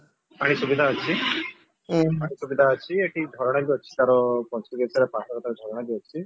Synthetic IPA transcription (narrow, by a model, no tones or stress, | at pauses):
paɽ̃isubid̪ʱaət͡ʃʰi | paɽ̃isubid̪ʱaət͡ʃʰieʈʰid͡ʒʱɔɾɔɽ̃abiɔt͡ʃʰi̥t̪aɾɔkɔnsʈit̪isaɾepãsɔkɔt̪aɾɔd͡ʒ̪ʱɔɾɔɽ̃abiɔt͡ʃʰi